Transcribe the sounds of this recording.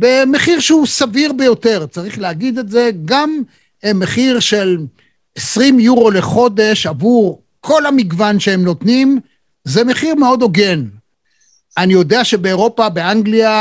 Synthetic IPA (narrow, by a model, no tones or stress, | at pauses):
bemeχiʁʃeusaviʁbe̞jo̞t̪e̞ʁt͡saʁiχleaɡid̪eze̞ɡam | emeχiʁʃe̞l | esʁimjuʁo̞leχo̞d̪e̞ʃavuʁ | kʰo̞lhamiɡvanʃeemno̞t̪nim | ze̞me̞χiʁmeo̞d̪o̞ɡen | ʔanijo̞d̪eaʃe̞be̞ːʁo̞pabe̞aŋɡlia